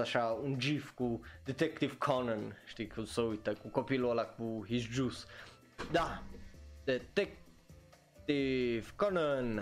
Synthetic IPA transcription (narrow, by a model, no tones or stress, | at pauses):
aʃaund͡ʒifkud̪ɛt̪ɛkt̪ivkʰɔnɔnʃt̪ikʰusoit̪akukɔpilalakbuhisd͡ʒus | d̪a | d̪̥ɛt̪ɛk̚ | t̪ivkɔnɔn